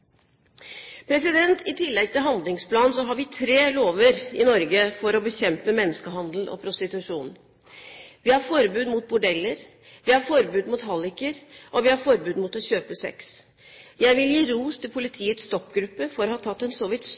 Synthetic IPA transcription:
pʰɾɛsɪd̪ɛnt̪ʰɪt̪ʰɪlːɛɡ̚t̪ʰɪlɦɑnd̪lɪŋspʰlɑːnsɔɦɑɾʋɪt̪ʰɾeːloːʋəɾɪnɔɾɡəfɔɾɔbəçɛmpəmɛnːəskəɦɑnd̪l̩ʔɔ̰pʰɾʊst̪ɪt̪ʉʂuːn | ʋɪhɑɾfɔɾbʉːd̪mʊt̪̚bʊɖɛlːəɾ | ʋɪhɑɾfɔɾbʉːd̪mʊt̪hɑlːɪkəɾʔɔʋɪhɑɾfɔɾbʉːd̪mʊt̪ɔɕøːpəsɛ̰ks | jæɪʋɪljiːɾuːst̪ʰɪlpʰʊlɪt̪ʰiːət̪sst̪ɔkɡɾʉpːəfɔɾɔhɑt̪ʰɑt̪ːɛnsɔʋɪt̪s

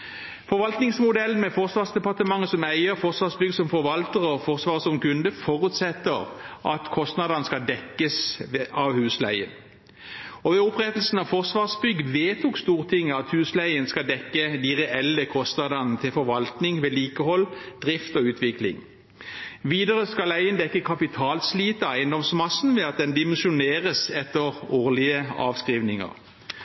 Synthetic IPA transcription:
fɔʁʋɑlt̪nɪŋsmʊd̪ɛlənmɛfɔʁsʋɑːʁsd̪ɛpɑʁt̪əmɑŋːəsɔmæɪəʁfɔʁsʋɑːʁsbʏɡəsɔmfɔʁʋɑlt̪əʁɔfɔʁsʋɑːʁsɔmkʉnd̪əfɔʁʉːt̪sɛt̪ːəʁʔɑt̪kʰɔst̪nɑd̪ɑnəskɑd̪ɛkːəsɑʋhʉːslæ̰ɪə̰n | ɔʋɛʊpʁɛt̪lsn̩ɑʋfɔʁsʋɑːʁsbʏɡːʋeːt̪ʰukst̪uːʁt̪ʰɪŋːəɑt̪hʉːslæɪənskɑld̪ɛkːəd̪iʁɛʔɛlːəkʰɔst̪nɑd̪ɑnn̩t̪ʰɪlfɔʁʋɑlt̪nɪŋʋeːliːkəhɔlːd̪̥ʁɪft̪ɔʉːt̪ʰʋɪklɪ̰ŋ | ʋiːd̪əʁəskɑlæɪənd̪ɛkːəkʰɑpɪt̪ʰɑːlsliːt̪əɑæɪənd̪ɔmsmɑsn̩ʋɛːɑt̪̚d̪ɛnd̪ɪmɛnsʊneːʁəsɛt̪ːəʁoːʁlɪəɑ̰ːʋskʁiːʋnɪŋə̰ʁ

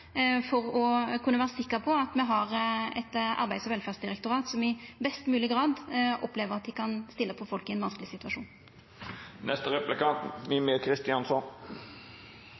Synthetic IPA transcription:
fɔʁɔkʰʉnːəʋæːʁəsɪkːəɾpʰɔɑt̪mɛɦɑʁɛ̰t̪ɑ̰ɾbæɪd̪sɔʋɛlfæːʁsd̪ɪʁɛk̚t̪ʊɾɑːt̪sɔmɪbɛst̪mʉːlɪɡɾɑːd̪ʔɔpleːʋəʁɑt̪̚d̪ɪkʰɑnst̪ɪlːəpʰɔfɔlkɪɛnʋɑnsklɪsɪt̪ʉʋɑʂuːn | nʔɛst̪əɾɛplɪkɑːt̪ʋɪmekʰɾɪst̪ɪɑnsɔn

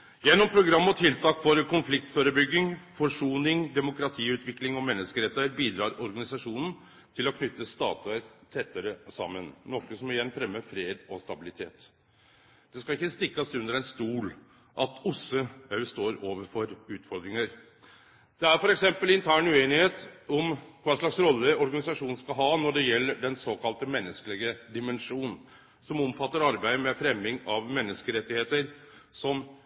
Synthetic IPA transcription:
jɛnːɔmpʰɾʊɡɾɑmːɔt̪ʰɪlt̪ʰɑːkfɔɾkʊnflɪk̚t̪føːɾəbʏɡːɪŋfɔʂuːnɪŋd̪ɛmʊkɾɑt̪ʰiːʉːt̪ʰʋɪklɪŋɔmɛnːəskəɾɛt̪ːəɾbiːd̪ɾɑːɾɔɾɡɑnɪsɑʂuːnn̩ | t̪ʰɪlɔkʰnʏt̪ːəst̪ɑ̰ːt̪ʉəɾt̪ʰɛt̪ːəɾəsɑ̰mːənnɔkːəsɔmɪjɛnːfɾɛmːəfɾeːd̪ɔst̪ɑbɪlɪt̪ʰḛːt̪ | d̪̥ɛskɑɪkːəst̪ɪkːɑsʉnd̪əɾɛnst̪uːl | ʔɑt̪ʊsəɑʉst̪oːɾoːʋəɾfɔɾʉːt̪fɔɾɡ̪ɾɪŋəɾ | d̪̥ɛæɾfɔɾɛksɛmpəlɪnt̪ʰæːɳʉeːnɪheːt̪ɔmkʰʋɑːʂɭɑksɾɔlːəɔɾɡɑnɪsɑʂuːn̩skɑɦɑːnɔɖɛjɛlːəɖɛnsoːkɑlt̪əmɛnːəskəlɪɡəd̪ɪmɛnʂuːnn | sɔmɔmfɑt̪ːəɾɑɾbæɪd̪mɛfɾɛmːɪŋɑʋmɛnːəskəɾɛt̪ːɪheːt̪əɾsɔm

